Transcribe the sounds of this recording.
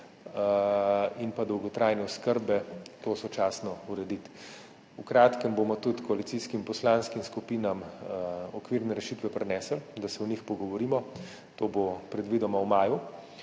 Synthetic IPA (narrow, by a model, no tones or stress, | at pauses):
inpad̪ɔwɡɔt̪ɾajnɛɔskəɾbɛt̪osɔt͡ʃaːsnɔuɾɛd̪it̪ | ukɾaːt̪kəmboːmɔt̪ut̪kɔalit̪siskimpɔslaːnskimskupiːnam | ɔkʋiɾnɛɾɛʃiːt̪ʋɛpɾɛnɛːsəld̪asɛɔnixpɔɡɔʋɔɾiːmɔ | t̪oːbopɾɛd̪ʋid̪ɔmawmaːju